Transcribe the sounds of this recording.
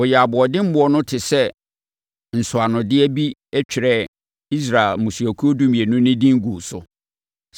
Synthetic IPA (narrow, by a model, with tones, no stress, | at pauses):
ʊ˨jɛ˨a˨bʊ˨ɔ˨dɪ̃˦m̩˦ʊ˦ɔ˦nʊ̃˦tʰɪ˨sɛ˦ | n̩˨sʊ˨a˨nʊ̃˨dɪ˦ɛ˦bi˦ɛ˦t͡ɕᶣɪ˨ɾɛ˦ | i˦s̬ɾa˨lmũ˨su˨æ˨kʰu˦o˦du˦mĩ˨e˨nʊ̃˦nɪ̃˦dĩ˦ŋ̩˦ɡu˨sʊ̰˨˦